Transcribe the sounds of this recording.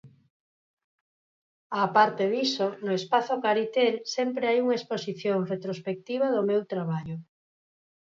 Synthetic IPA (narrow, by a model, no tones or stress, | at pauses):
apaɾt̪eðisonʊespaθokaɾit̪elsempɾeajuŋɐesposiθjoŋret̪ɾospek̚t̪iβ̞ɐðʊmewt̪ɾaβaʎo